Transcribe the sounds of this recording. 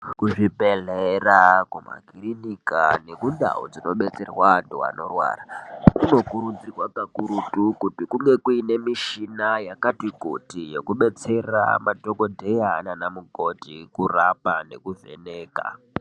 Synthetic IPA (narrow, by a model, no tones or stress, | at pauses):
kuʐibʱeɮerakuma̰ɡʱirinika̰ne̞kunda̰ṵd͡zino̞ɓet͡se̞rwado̰a̰no̞rwa̰ːrakuno̞kuɾund͡zirwapakuɾutukutikuŋɡe̞kuine̞miʃinajakatiɡʱotijekuɓe̞t͡se̞ra̰madʱokodʱejananamuɡʱo̞dʱikurapane̞kuvḛneːka̰